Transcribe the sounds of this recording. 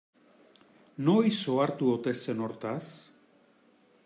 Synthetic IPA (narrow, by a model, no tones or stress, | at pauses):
no̞jso̞aɾt̪uo̞t̪e̞se̞no̞ɾt̪as